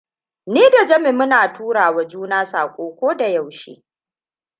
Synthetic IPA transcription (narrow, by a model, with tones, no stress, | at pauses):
niː˦da˨d͡ʒɐ˦me˨mʊ˦naː˨tʰuː˦ɽaː˨wa˨d͡ʒuː˦naː˦saː˨kʷʼoː˦kʷoː˦da˨ja˨wʃḭː˦